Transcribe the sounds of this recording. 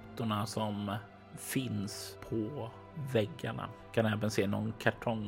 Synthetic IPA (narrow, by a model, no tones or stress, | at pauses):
t̪ʊɳasɔm | fɪnspʰɔ | vɛɡːa̰ɳa̰kʰanɛːvənseːnɔ̰nkʰaʈʰɔŋ